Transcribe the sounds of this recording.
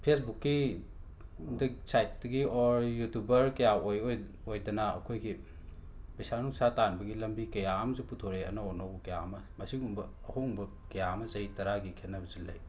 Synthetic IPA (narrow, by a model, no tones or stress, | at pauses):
pʰesbukːi | dɐsajt̚dɐɡioɾjutubɐɾkɐjaojoj | ojdɐnɐɐ̰kʰojɡi | pɐjsanuŋsatanbɐɡilɐmbikɐjamɐzuputʰoɾeɐ̰nɐonowkɐjamɐ | mɐsiumbɐːhoŋbɐ | kɐjamɐzɐitɐɾaɡikʰetnɐbɐzilːɐ̰j